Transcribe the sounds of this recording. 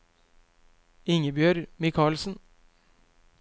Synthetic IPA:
ɪŋəbjøːɾmɪkʰɑːɭsn̩

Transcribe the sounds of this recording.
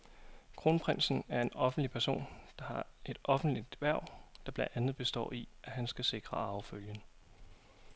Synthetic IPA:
kʰʁo̝ːnpʰʁen̰sn̩æɐe̝nɒ̽fn̩d̥lipʰæɐso̝̰ːnd̥ɑ̈hɑ̈e̝d̥ɒ̽fn̩d̥lid̥ʋæɐ̰d̥ɑ̈b̥lænd̥ænð̩ˠb̥e̝sd̥ɒ̰ːiʔæɦænsɡ̥æse̝ɡ̥ʁɐɑ̈ʊføljən

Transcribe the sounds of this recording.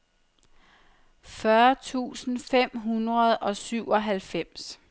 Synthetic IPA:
fɶɐt͡sʰṵːsn̩fem̰ɦunʁɐð̞ˠʔɒ̽syʊ̰ɒ̽ɦælfem̰s

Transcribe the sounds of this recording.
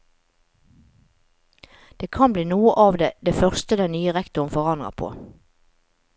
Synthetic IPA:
d̪̥eːkʰɑnbliːnuːəʔɑːʋd̪eːd̪eːfœʁst̪əd̪ɛnnyːəʁɛkt̪ʊʁənfɔʁɑnd̪ʁə̰pʰo̰ː

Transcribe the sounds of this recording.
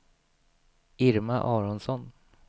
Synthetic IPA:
ɪɾmaʔɑːɾɔnsɔn

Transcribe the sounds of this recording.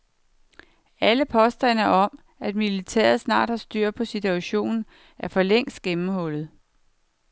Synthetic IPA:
æləpʰɒ̽sd̥ɐnæɒ̽m | æd̥milit͡sʰḛːɐð̞̩ˠsnɑ̰̈ːd̥hɑ̈sd̥yɐ̰pʰɒ̽sit͡sʰuæɕo̝̰ːnn̩ | æɐfɒ̽leŋ̰sd̥ɡ̥emm̩hɔ̽l̰ð̩ˠ

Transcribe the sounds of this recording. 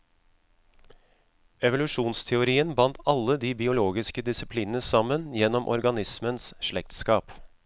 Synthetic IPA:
ɛʋʊlʉʂuːnst̪ʰɛʊɾiːənbɑnt̪ʰɑlːəd̪iːbɪʊloːɡɪskəd̪ɪsɪpʰliːnənəsɑmːənjɛnːɔmʔɔ̰ɾɡɑnɪsmənsʂɭɛk̚t̪skɑːp

